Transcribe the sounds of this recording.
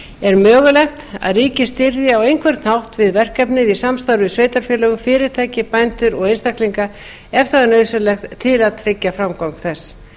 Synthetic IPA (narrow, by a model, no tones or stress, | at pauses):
ɛɾmœːɣʏlɛxt̪a̰ðriːcɪ̥st̪ɪɾðɪawejnŋkʰvɛɾt̪nhawht̪vɪðvɛr̥kɛpnɪðisamst̪awɾʏsveːjt̪aɾ̥fjɛːlœːɣʏfɪːɾɪ̥t̪ʰajcɪpajnt̪ʏɾɔɣejnst̪akliŋka | ɛft̪aanœːɥsʏlɛxt̪ʰːɪlaðt̪ʰɾecːafɾamkawŋkθɛsː